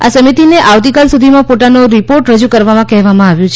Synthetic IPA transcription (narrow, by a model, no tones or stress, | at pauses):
a̰səmit̪ineʔaʋt̪ikalsud̪ʱimãpot̪anoɾipoɾʈɾəd͡ʒukəɾʋamãkɛɦʋamãaʋjũt͡ʃʰ